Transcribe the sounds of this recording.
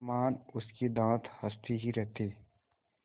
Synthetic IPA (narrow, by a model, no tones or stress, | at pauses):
maːnʊskid̪ãːt̪ʰhɐst̪ʰiɦiɾɛɦt̪eː